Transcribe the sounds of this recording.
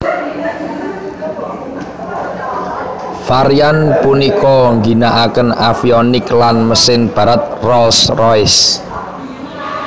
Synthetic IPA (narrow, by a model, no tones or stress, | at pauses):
faɾijanpunikɔŋɡi̤naʔakənafiɔnɪklanməsɪnb̥ä̤ɾat̪̚rɔlsrɔɪs